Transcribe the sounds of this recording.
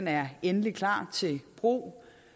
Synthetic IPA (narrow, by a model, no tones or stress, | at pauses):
næɐenəlikʰlɑ̰̈ːt͡sʰe̝lb̥ʁṵː